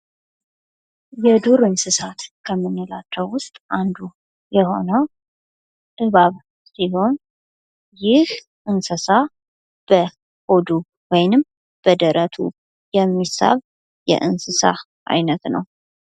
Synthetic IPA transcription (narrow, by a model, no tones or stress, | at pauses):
jɛd̪uɾɨnsɨsat̪kʰəmːɨnːɨlat͡ʃːɛwːʊst̪ʼʔand̪u | jɛho̞nəw | ʔɨβaβ | siho̞n | jɪh | ʔɨnsəsa | b̥ə | hod̪u | wɔjnɨm | b̥əd̪əɾʔət̪ʰṵ | jɛmːisa̰β | jɛ̰ʔɨnsɨsa̰ | ʔa̰jnət̪nə̰w